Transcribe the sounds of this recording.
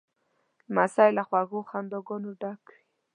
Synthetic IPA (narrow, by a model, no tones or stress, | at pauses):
dəmasajlaxwaɣoxand̪oɡɔnoɖakwi